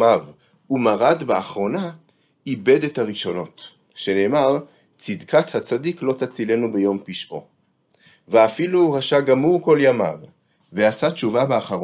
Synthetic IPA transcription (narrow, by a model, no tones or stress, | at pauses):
av | umaʁad̪baaχʁo̞na | ibe̞d̪et̪haʁiʃo̞no̞t̪ | ʃe̞neːmaʁ | t͡sid̪kʰat̪hat͡sad̪iklo̞t̪at͡sile̞nubejo̞mpiʃʔo̞ | veafiluʁaʃaɡamuʁko̞ljama̰v | veasatt͡ʃuvabeaχaʁo